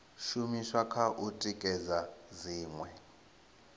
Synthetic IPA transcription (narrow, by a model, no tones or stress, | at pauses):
ʃumiʃwakʰaʔutʼikʼɛzaziːŋwɛ